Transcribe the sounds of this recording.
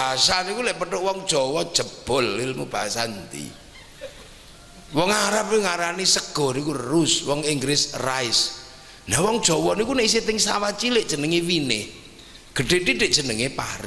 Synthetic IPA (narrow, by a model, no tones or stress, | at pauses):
baɦasanikulɛʔpəʈʊʔwɔŋd̥ʒ̥ɔ̤wɔd̥ʒ̥əb̥ɔ̤lːilmub̥aasant̪ḭ | wɔŋaɾap̚eŋaɾanisəɡ̥ɔ̤nikurrʊswɔŋiŋɡɾɪsraɪs | nawɔŋd̥ʒ̥ɔ̤wɔnikunɛʔis̬et̪ɪŋsawat͡ʃilɪʔdʒ̥ə̤nəŋewinɪh | ɡ̥əɖ̥e̤ʈiɖ̥eʔd̥ʒ̥ə̤nəŋepa̰ɾɪ